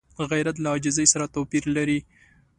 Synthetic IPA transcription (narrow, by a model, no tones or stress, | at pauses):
ɣajɾat̪̬laɑd͡ʒɪzəjsaɾat̪opiɾlaɾi